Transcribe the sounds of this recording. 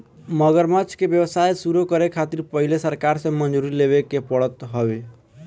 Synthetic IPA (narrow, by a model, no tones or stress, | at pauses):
məɡəɾmat͡ʃkebjəwsajsuɾokəɾekʰat̪iɾpəɦilesəɾkaɾsẽmənd͡ʒuɾilebekepəɽət̪ɦɔʋe